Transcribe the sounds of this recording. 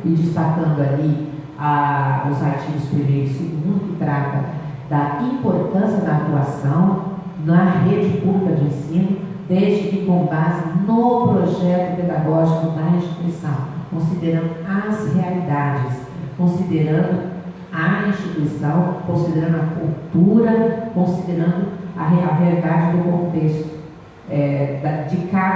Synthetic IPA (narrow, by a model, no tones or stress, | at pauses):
ɪd͡ʒɪst̪akɐ̃nd̪ʊali | aʊzaɾt͡ʃivʊspɾimejɾʊssɪɡũnd̪ʊkɪt̪ɾat̪ɐ | d̪ɐĩmpoɾt̪ɐ̃sijɐd̪ɐat̪uasɐ̃w̃ | nɐɦed͡ʒɪpublikɐd͡ʒɪẽsĩnʊ | d̪ejzd͡ʒɪkɪkõbazɪnʊpɾoʒɛt̪ʊped̪aɡɔʒikʊd̪ɐɦẽʃt͡ʃit̪uisɐ̃w̃kõsid̪eɾɐ̃d̪ʊɐshealid̪ad͡ʒɪs | kõsid̪eɾɐ̃nd̪ʊ | ɐĩʃt͡ʃit̪uisɐ̃w̃kõsid̪eɾɐ̃nd̪ʊɐkuwt̪uɾɐkõsid̪eɾɐ̃nd̪ʊɐɦeɐɦealid̪ad͡ʒɪd̪ʊkõt̪est̪ʊ̥ | ɛd̪ɐd͡ʒɪka